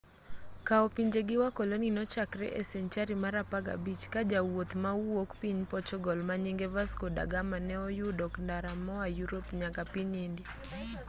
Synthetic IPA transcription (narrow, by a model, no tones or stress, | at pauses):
kaɔpiɲd͡ʒeɡɪwakɔloninɔt͡ʃakɾɛ̰ʔɛsɛɲt͡ʃaɾimaɾapaɡa̰bit͡ʃkad͡ʒawot̪mauwokpiɲpɔt͡ʃɔɡɔlmaɲiŋɡevaskoda̰ɡamanɛɔjudɔkndaɾamɔajuɾopɲakapiɲendi